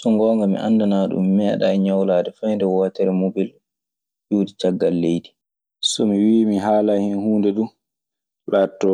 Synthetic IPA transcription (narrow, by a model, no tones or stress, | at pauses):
sɔŋɡɔːŋɡamḭʔa̰ndanaːɗṵmːɛːɗaɛɲawlaːdɛfajndɛwatɛɾɛmobil | d͡ʒuːdit͡ʃaɡːalːejdi | sɔmiwiːmiɦaːlahɛnhuːndɛdu | laːtːɔ